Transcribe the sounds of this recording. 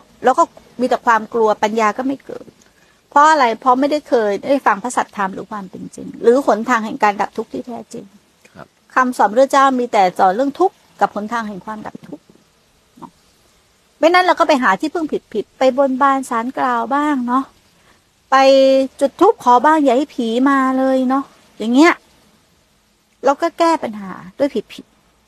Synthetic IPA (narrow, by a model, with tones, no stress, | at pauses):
lɛː˦˥wkɔː˥˩ | miː˧t̪ɛː˨˩kʰwaː˧mklu˧ɐpa˧njaː˧kɔː˥˩ma˥˩jkɤ̰ː˨˩n̚ | pʰɾɔ˦˥ʔa˧ɾa˧jpʰɔ˦˥ma˥˩jda˥˩jkʰɤː˧jda˥˩jfa˧ŋpʰa˦˥sa˨˩t̪ʰːa˧mɾɯ̰ː˩˦kʰwaː˧mt̪e˧nt͡ɕḭ˧ŋɾɯː˩˦pʰo˩˦nt̪ʰaː˧ŋɦɛ˨˩ŋkaː˧nda˨˩p̚t̪ʰu˦˥k̚t̪ʰiː˥˩t̪ʰɛː˦˥t͡ɕe˧ŋ | kʰa˧msɔː˨˦nɾɯ˥˩t͡ɕaː˥˩wmiː˧t̪ɛː˨˩sɔː˨˩˦nɾɯ˥˩əŋt̪ʰu˦˥kːa˨˩p̚ʰːo˨˩˦nt̪ʰaː˧ŋɦɛ˨˩ŋkʰwaː˧mda̰˨˩p̚t̪ʰu˦˥k̚ | nɔ˦˥ | ma˧˥˩na˦˥nla˧wkɔː˥˩pa˧jɦaː˩˦t̪ʰiː˥˩pʰɯ˥˩ŋpʰi˨˩t̪̚pʰi˨˩t̪̚pa˧jbo˧nbaː˧˩nsaː˨˦nklaː˧wbaː˥˩ŋnɔ˦˥ | pa˧jt͡ɕu˨˩t̪ʰːu˦˥k̚kʰːɔː˨˦baː˧˥˩ŋja˨˩ha˥˩pʰiː˨˩˦maː˧lɤː˧jnɔ˦˥ | jaː˨˩ŋːi˦˥ɐʔ | ɾa˧wkɔː˥˩kɛː˥˩pa˧nɦaː˩˦du˥˩˨jpʰi˨˩t̪̚pʰi˨˩t̪̚